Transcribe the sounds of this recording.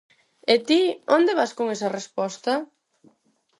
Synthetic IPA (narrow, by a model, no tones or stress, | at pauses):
et̪iond̪eβaskoŋesɐrespɔst̪ɐ